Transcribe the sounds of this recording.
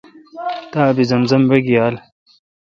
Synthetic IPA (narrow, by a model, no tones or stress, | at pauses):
t̪aːbizɐnzɐmweɡijaːl